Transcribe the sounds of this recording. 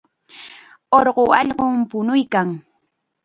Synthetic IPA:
oɾɢoɑʎɢompʊnʊjkaŋ

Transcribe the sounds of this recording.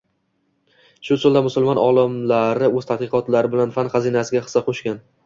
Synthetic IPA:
ʃʊt͡ʃ̪ʰʊlˠd̪amʊsʊlˠmɒnɒlˠɪmlaɾɪɵzt̪ʰat̪̚qɨqɒt̪laɾɪbɪlanfanχɑzinasɪɡʲaχɨ̥sɑqʰoʃkʲan

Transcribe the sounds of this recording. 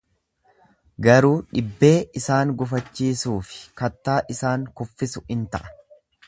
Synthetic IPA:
ɡɐɾuːᶑɪbːe̞ːʔɪsaːŋɡʊfɐt͡ʃːiːsuːfɪ̥kɐt̪ːaːʔɪsaːŋkʊfːɪsʊɪnt̪ɐʔɐ̥

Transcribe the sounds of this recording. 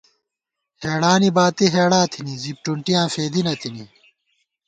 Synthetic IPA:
heːɽaːnibaːt̪iɦeːɽãːt̪ʰinizip̚ʈuɳʈijãːfeːd̪inɐt̪ini

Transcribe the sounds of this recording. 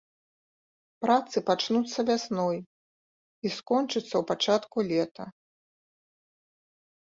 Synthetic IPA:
pɾat̪sɨpat͡ʂnut̪sːɐvʲasnɔj | iskɔnt͡ʂɨt̪sːɐwpat͡ʂat̪kulʲɛt̪ɐ

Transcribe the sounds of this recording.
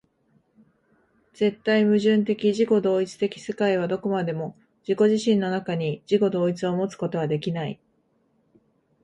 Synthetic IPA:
z̥e̞t̪ːaimɯ̟ʑɨ̃nt̪e̞kʲiʑiko̞d̪o̞ːit͡sɨ̥t̪e̞kʲi̥se̞kaiβ̞ad̪o̞ko̞mad̪e̞mo̞ | ʑ̥iko̞ʑiɕĩnːo̞nakaɲ̟id͡ʑiko̞d̪o̞ːit͡sɨo̞mo̞t͡sɨ̥ko̞t̪o̞βad̪e̞kʲinai

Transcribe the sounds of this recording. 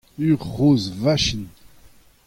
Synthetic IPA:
yʁʁoːzvaʃin

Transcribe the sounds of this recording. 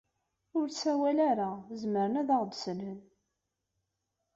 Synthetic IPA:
ʊɾsæwælaɾazməɾənæðəʁd̪sənən

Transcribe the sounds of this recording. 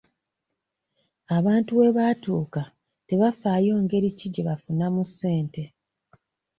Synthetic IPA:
aβaːntuwe̞βaːtuːka | te̞βafaːjo̞ːŋɡe̞ɾiciɟeβafunamusːe̞ːnte̞

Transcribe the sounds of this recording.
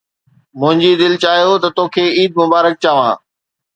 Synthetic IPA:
mʊ̃ɦɪ̃ɲd͡ʑid̪ɪlt͡ɕaːɦjot̪ɐt̪oːkʰeːiːd̪̚mʊbaːɾək̚t͡ɕaːʋãː

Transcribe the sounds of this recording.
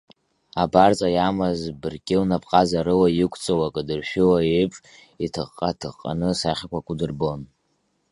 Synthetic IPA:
abart͡sʼajamazbɨrkʲʼɪwnapʰʼqʼazaɾɨwajɪkʷʰt͡sʼowakʼdɨrʃᶣɪwaepʼ | itʰɨχqʼːatʰɨʁqʼːa̰nɨsaχʲakʷʰakʷʼudɨrbo̞n

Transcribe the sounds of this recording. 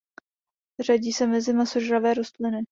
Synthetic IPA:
raɟiːsɛmɛzɪmasoʒɾavɛːɾost̪lɪnɪ

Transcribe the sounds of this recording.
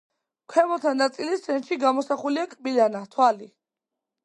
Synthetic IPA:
kʰwɛmɔt̪ʰanat̪sʼilisɛnt̪ʃiɡamɔsaχuliakʼbilanat̪ʰwali

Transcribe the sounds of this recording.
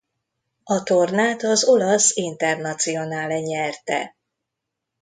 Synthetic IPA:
ɒt̪o̞rnaːt̪ɒzo̞lɒsint̪ɛrnɒt̪sijo̞naːlɛɲɛrt̪ɛ̰

